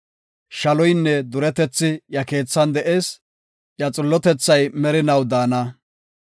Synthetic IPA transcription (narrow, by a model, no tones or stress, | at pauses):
ʃɐlɔjnːɛd̪ʊɾɛt̪ɛt͡sːɪjɐke̞ːt͡sːɐnd̪ɛʔe̞ːs | jɐt͡sʼʊlːɔt̪ɛt͡sːɐjmɛɾɪnɐwd̪aːnɐ